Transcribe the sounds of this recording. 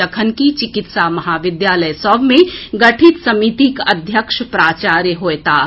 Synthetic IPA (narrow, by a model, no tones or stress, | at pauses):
əkʰənkit͡ʃɪkɪt̪samɐɦaːʋɪd̪jaːləjsɔbmẽɡɐʈʰit̪sɐmit̪ikɐd̪ʱjəkʃpɾaːt͡ʃaːɾjəɦoːet̪aː